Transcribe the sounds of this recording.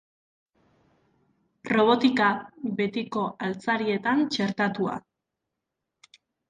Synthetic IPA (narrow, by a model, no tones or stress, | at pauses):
ro̞β̞o̞t̪ikaβe̞t̪iko̞ʔalt͡saɾie̞t̪ant͡ʃe̞ɾt̪at̪ua̰